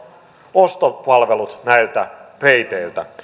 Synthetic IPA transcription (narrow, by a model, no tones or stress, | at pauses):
ost̪ot̪pɑlʋelut̪næjlt̪æreit̪eilt̪æ